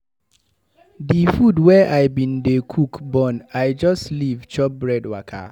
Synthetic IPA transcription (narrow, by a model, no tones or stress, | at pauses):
difudwɛʔaɪbĩndekʰukbɔ̃naɪd͡ʒɔstlivt͡ʃɔp̚bɹɛdwakʰa̰